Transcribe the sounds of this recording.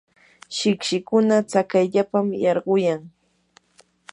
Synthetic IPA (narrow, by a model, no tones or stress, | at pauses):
ʃɪkʃɪkʊnat͡sakajʎapamjɑɾɢʊjaŋ